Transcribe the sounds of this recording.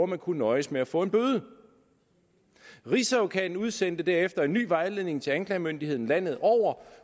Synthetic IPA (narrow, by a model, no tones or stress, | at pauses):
ɐmænkʰunnɒ̽ɪəsmeæfɔ̰̽ːe̝nb̥øð̞ˠə | ʁisæʊkʰɛd̥n̩uð̞ˠsen̰d̥əd̥æɐefd̥ɐe̝nːy̰ːʋɑ̈ɪle̝ð̰ˠne̝ŋt͡sʰe̝ænklɛːmønd̥ihe̝ð̰ˠn̩læn̰ð̩ˠɒʊ̰ɐ